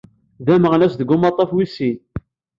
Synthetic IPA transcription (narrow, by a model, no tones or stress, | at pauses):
ðæməʁnæsðəɡːʊmɑt̪ˤːɑfwisin